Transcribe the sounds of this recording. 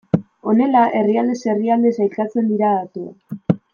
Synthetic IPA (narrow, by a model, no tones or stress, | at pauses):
o̞ne̞laʔe̞riald̪e̞se̞riald̪e̞sajlkat͡se̞nd̪iɾaðat̪ua̰